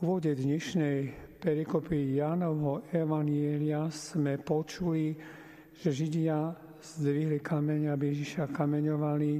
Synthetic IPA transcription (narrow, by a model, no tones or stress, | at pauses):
uʋɔɟɛd̪ɲɛʃnɛjpɛɾikɔpiːjaːnɔʋɦɔɛʋaɲɪɛlɪasmɛpɔt͡ʃuli | ʒ̥ɛʒiɟɪa | z̥d̪ʋiɦlikamɛɲabijɛʒiʃakamɛɲɔʋali